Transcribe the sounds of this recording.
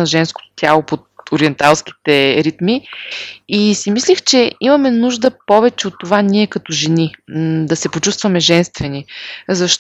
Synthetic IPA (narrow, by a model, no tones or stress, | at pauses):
ɐʒɛnsko̥t̪o̥t̪ʲalˠopot̪̚oɾiɛnt̪alˠski̥t̪ɛɾit̪mi | isimislixt͡ʃɛimɐmɛnuʒd̪əpɔvɛt͡ʃɛot̪ːovaniɛkɐt̪ɔʒɛnid̪ɐsɛpot͡ʃust̪vɐmɛʒɛnst̪vɛnizɐʃt̪